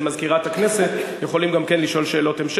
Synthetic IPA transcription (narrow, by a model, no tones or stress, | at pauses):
mazkiʁat̪akne̞se̞t̪jeχo̞limɡamke̞nliʃo̞lʃe̞ːlo̞temʃ